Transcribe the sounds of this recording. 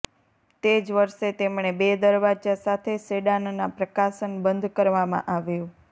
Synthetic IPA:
t̪ed͡ʒʋəɾʃet̪emɳ̃ebed̪əɾʋad͡ʒasat̪ʰeseɖannapɾəkaʃənbənd̪ʱkəɾʋamã̰ʔaʋjũ

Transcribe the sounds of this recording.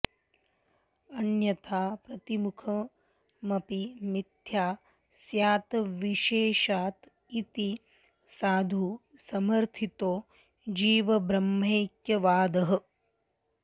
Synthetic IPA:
ɐnjɐt̪ʰaːpɾɐt̪imukʰɐ | mɐpimid̪ʱjaː | sjaːt̪ɐʋiʃeːʃaːt̪ | it̪i | saːd̪ʱu | sɐmɐɾt̪ʰit̪oː | d͡ʒiːʋɐbɾɐmːeːkjɐʋaːd̪ɐɦɐ̆

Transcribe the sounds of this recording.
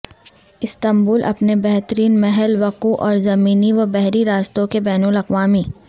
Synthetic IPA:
ɪst̪ɐ̃mbuːlʔɐ̰pnebɛɦt̪ɾiːnmɛɦɛlʋɐquʔɔːɾzɐmiːniʋɐbɛɦɾiɾaːst̪õkebɛːnulɐqʋaːmiː

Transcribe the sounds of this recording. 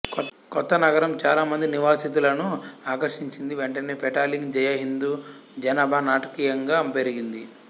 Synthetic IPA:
kɔt̪ːɐnɐɡɐɾɐmt͡ʃaːlaːmɐnd̪iniʋaːsit̪̬ulɐnuaːkɐɾʂiɲt͡ʃind̪iʋeɳʈɐneːpʰɛʈaːliŋɡd͡ʒɛjɐɦind̪uː | d͡ʒɐnaːbʱanaːʈɐkiːjɐŋɡaːmpeɾiɡind̪i

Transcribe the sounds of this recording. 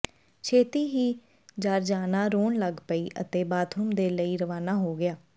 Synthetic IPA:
t͡ʃʰeːt̪iːɦiː | d͡ʒaːɾd͡ʒaːnaːɾoːnləɡpəiːʔə̰t̪eːbaːt̪ʰʊmd̪eːləiːɾəʋaːnaːɦoːɡɪjaː

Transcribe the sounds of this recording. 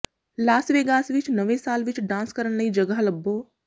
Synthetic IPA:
laːsʋeːɡaːsʋɪt͡ʃnəʋẽsaːlʋɪt͡ʃɖãːnskəɾəñləĩd͡ʒəɡəɦləbːoː

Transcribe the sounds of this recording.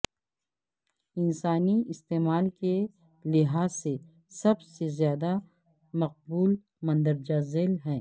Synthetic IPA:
ɪnsaːniɪst̪eːmaːlke | lɪɦaːsːe | sɐbsezjaːd̪a | mɐq̚buːl | mɐ̃nd̪əɾd͡ʒazeːlɦɛ̃ː

